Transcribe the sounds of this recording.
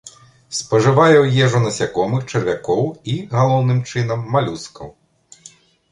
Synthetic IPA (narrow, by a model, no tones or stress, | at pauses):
spɐʐɨvajɛwjɛʐunɐsʲakɔmɨxt͡ʂɛrvʲakɔwiɣalˠɔwnɨmt͡ʂɨn̪ɐmːalʲuskɐ̰w